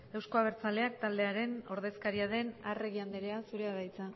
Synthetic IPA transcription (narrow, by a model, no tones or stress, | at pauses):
e̞wsko̞aβ̞eɾt͡sale̞ak̚t̪ald̪e̞aɾe̞no̞ɾðe̞skaɾiað̞e̞nare̞ɣiand̪eɾe̞asuɾeaðajt͡sa